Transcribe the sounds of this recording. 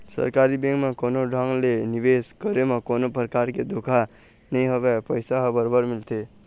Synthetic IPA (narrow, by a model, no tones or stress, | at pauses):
sə̰ɾkaɾibẽŋkmekonoɖʱaŋɡleniʋeskəɾemekonopɾəkaɾked̪okʰa | nəĩɦobepəjsaɦəbəɾbəɾmilt̪e